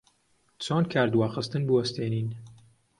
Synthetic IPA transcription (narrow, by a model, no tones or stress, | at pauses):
t͡sʰoːnkʰaːɾd̪waːxɨst̪ɨnbɨwɐst̪ʰeːniːn